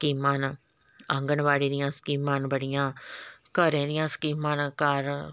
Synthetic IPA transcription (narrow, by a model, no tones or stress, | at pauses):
skiːmaːn | ɐŋɡəɳʋaːɽiːd̪ɪjãːskiːmːaːnbəɽɪjãːkəɾẽːd̪ɪjãːskiːmaːnkaːɾ